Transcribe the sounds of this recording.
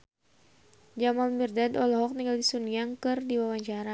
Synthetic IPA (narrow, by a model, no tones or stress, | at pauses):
d͡ʒamalmirdadɔlɔɦɔk̚niŋɡaldisuniaŋkɨrdiwawaɲt͡ʃaɾa